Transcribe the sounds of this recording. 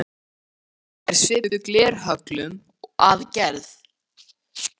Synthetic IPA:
ɛɾ̥sɪːʏklɛːɾ̥ɦœklʏm | ɔɣa̰ːðcɛɾð

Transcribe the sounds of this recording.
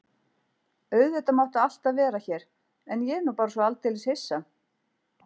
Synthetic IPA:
œɥðɛht̪amawht̪ʏal̥t̪aðvɛːɾaçɛːɾ̥ | ɛnjɛnːupaːɾasvɔalt̪ɪːlɪshesːa

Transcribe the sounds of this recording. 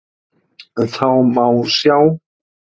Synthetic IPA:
θʰawmawsjaw

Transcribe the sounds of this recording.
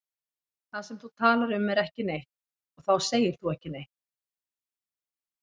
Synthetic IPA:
θaðsɛmθut̪ʰaːlaɾʏmɛɾɛhcɪnejh̪ | ɔɣθawseːjɪɾ̥θuɛhcɪnejht̪

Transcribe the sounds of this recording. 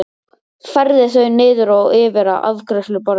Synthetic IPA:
fɛɾðɪθœɥnɪːðʏɾaɔɣɪːvɛɾa̰ʔa̰ðkʰɾɛslʏpɔɾ

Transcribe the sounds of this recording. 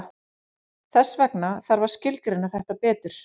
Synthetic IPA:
θɛsːvɛknaθaɾvaɾ̥scɪltɾɪnːaθɛht̪apɛːt̪ʏɾ̥

